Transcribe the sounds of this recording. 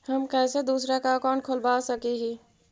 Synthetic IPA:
hɐmkɛːsed̪uːsɾakakɔːnkʰolbaːsɐkiɦiː

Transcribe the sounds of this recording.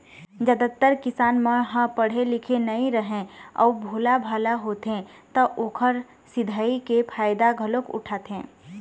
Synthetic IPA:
d͡ʒəd̪ət̪ːəɾkɪsaːnməɦə̃pəɽ̤elɪkʰenəĩɾəɦẽɔ̰ubʱoːlabʱaːlaɦoːt̪ɦẽt̪əʔoːkʰəɾ | sɪd̪ʱaːikepʰaːjd̪aɡʱəlokʊ̰ʈʰaːt̪ɦẽː

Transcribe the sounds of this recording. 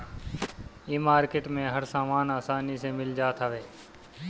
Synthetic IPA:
iːmaːɾkeʈmẽɦəɾsaːmaːnaːsaːnisemɪld͡ʒaːt̪ɦəʋeː

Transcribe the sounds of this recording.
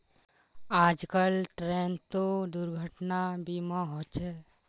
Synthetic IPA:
aːd͡ʒkəlʈɾent̪od̪ʊɾɡʱəʈnabimaɦot͡ʃɛ

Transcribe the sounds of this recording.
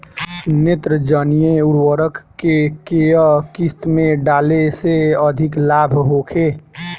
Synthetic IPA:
net̪ɾəd͡ʒənijeuɾwəɾəkːekejəkist̪mẽɖaːleseəd̪ʱiklaːbʱɦokʰe

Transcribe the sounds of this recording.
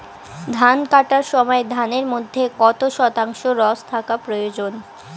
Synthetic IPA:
d̪ʱankaʈaɾʃɔmɔed̪ʱaneɾmod̪ʱːekɔt̪oʃɔt̪aŋʃoɾɔst̪ʰakapɾojod͡ʑon

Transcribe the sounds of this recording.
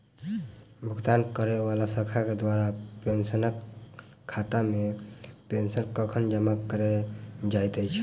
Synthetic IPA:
bʱəɡt̪ankəɾɛbalasəkʰaked̪waɾapensənəkʰː | at̪amepensənkəkʰənd͡ʒəmakəɾed͡ʒajt̪əjt͡ʃʰ

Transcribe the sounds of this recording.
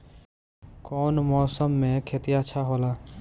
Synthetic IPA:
kɔːnmɔːsəmːẽkʰeːt̪ijaʃʰaɦoːlaː

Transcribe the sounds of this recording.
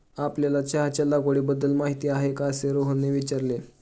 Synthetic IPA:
apljalat͡ɕaɦat͡ɕalaɡoɽiːbəd̪ːəlmaɦit̪iːaɦekaseɾoɦəneʋit͡ɕaɾle

